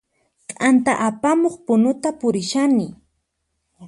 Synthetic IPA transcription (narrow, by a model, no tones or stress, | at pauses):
qʼant̪aʔapamoχpʊnʊt̪apʊɾɪʃanɪ